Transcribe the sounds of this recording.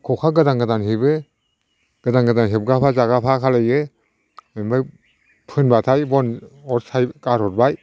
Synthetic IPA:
kʰɔkʰaɡɯdaŋɡɯdanɦibɯ | ɡ̥ɯdaŋɡɯdanɦeb̚ɡapʰazaɡapʰakʰalajɯ | memba | pʰɯnbatʰajbɔnɔtsʰajkaɾhɔt̚baj

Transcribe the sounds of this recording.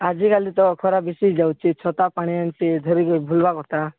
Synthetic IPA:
ad͡ʒikalit̪ɔkʰɔɾabisid͡ʒawt͡ʃʰit͡ʃʰɔt̪apaɽ̃iant͡ʃid̪ʱɔɾikɔjbʱulbakɔɾt̪a

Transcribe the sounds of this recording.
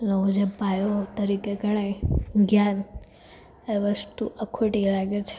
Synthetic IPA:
noud͡ʒepajot̪əɾikeɡʱəɽ̃ejɡjan | eʋəst̪uʔəkʰoʈilaɡet͡ʃʰe̥

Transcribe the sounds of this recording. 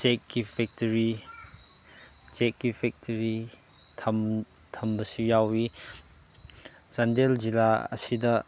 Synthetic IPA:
t͡ʃekːipʰɛk̚tɐɾi | t͡ʃekːipʰɛk̚tʰɐɾi | tʰɐm | tʰɐmbɐsujawi | zandelzilaɐ̰sidɐ

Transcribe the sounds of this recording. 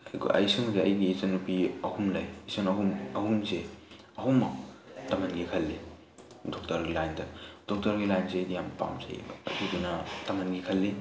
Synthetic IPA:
ɡ̰ʔɐ̰jsɯŋzeɐjɡisɐnupiɐhumlɐjisɐnɐɦumɐhumse | ɐɦumːɐtɐmɐnɡikʰɐlːi | dɔk̚tɐɾɡilajndɐd̥ɔk̚tɐɾɡilajnsedijampa̰mzḛj̰dudunɐtɐmɐnɡikʰɐlːi

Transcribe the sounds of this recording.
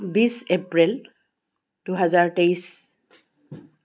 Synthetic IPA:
bisepɹil | tuɦazaɹtejs

